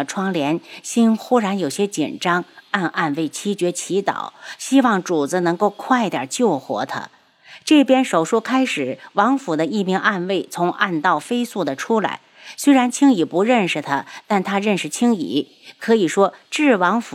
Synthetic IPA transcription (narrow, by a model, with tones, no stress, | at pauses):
ʈ͡ʂʰwɑ˥ŋljɛ˧˥nɕi˥nxu˥ɻa˧˥njo˨˩ʊɕjɛ˥t͡ɕḭ˨˩nʈ͡ʂɑ˥ŋa˥˧nʔa˥˧nwe˥˩ɪt͡ɕʰi˥t͡ɕɥɛ˧˥t͡ɕʰi˧˥t̪ɑ̰˨˩˦ʊɕi˥wɑ˥˩ŋʈ͡ʂu˨˩t͡s̩˧˥nɤ˧˥ŋko˥˧ʊkʰwa˥˧ɪ˧t̪jə̰˨˩t͡ɕjo˥˩ʊxwɔ̰˧˥t̪ʰa̰˥ | ʈ͡ʂɤ˥˩pjɛ˥nʂo˨˩ʊʂu˥kʰa˥ɪʂɻ̩˨˩˦wɑ˧˥ŋfu˨˩d̪ə˦i˥˩mi˧˥ŋʔa˥˧nwe˥˩ɪt͡sʰʊ˧˥ŋʔa̰˥˧nt̪ɑ˥˩ʊfe˥ɪsu˥˩d̪ə˩ʈ͡ʂʰu˥la̰˧˥ɪswe˥ɪɻa˧˥nt͡ɕʰi˥ŋi˨˩pu˧˥ɻə˥˩nʂɻ̩˨˩t̪ʰa˥t̪a˥˩nt̪ʰa˥ɻə˥˩nʂɻ̩˨˩t͡ɕʰi˥ŋḭ˨˧˩ | kʰɤ˧˥i˨˩ʂwɔ˥ʈ͡ʂɻ̩˥˩wɑ˧˥ŋfu˨